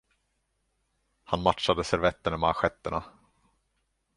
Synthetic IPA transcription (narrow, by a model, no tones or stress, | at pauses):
hanmatʂad̪əsɛɾvɛt̪ːəɳamaɧɛt̪ːəɳa